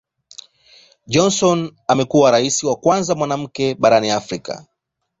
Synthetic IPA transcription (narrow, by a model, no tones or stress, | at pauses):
d͡ʒɔnsɔnamɛkuwaɾaisiwakwanzamwanam̩kɛɓaɾaniafɾika̰